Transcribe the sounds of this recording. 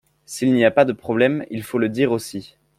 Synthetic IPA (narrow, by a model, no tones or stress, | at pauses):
silniapad̪əpχɔblɛmḭlfoləd̪iʁosi